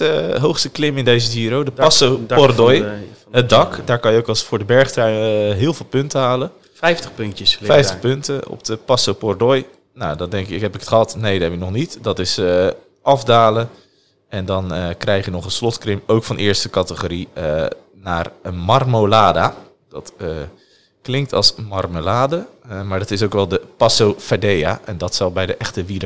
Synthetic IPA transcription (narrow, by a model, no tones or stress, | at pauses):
əɦowxstəklɪmɪndejzədiəɾowdəpɑsowpɔrdɔjɦət̚dɑkdaːɹkɑnjəowkɑsfʊːɹdəbɛɹχtrɛjnɦɪːlˠvɪːlˠpʏntəɦaːlə | ɛjftəχpɵntjəfɛjftəχpɵntəɔ̰pdəpɑsowpɔɹdɔj | nawdɔndɛŋkɪkɦɛpɪkə̥tχəɦɑtnejdɛbɪnɔχnitdɑtɪsə | ʔɑfdaːlə | ɛndɔnəkrɛjχjənɔχənslɔtkrɪmowkfɑnʔɪːɹstəkɑtəχoːɾiə | naːrmɑrmolaːda | d̥ɔtə | klɪŋk̚tɑ̰lˠsmɑrmolaːdəmaːɹdɑtɪsowkʋɛlˠdəpɑsowfadejaʔɛndɔtsɑlˠbɛjdəʔɛχtəʋiɾə